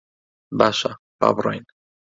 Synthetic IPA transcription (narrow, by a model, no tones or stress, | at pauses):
baʃa | pa̰bɾojn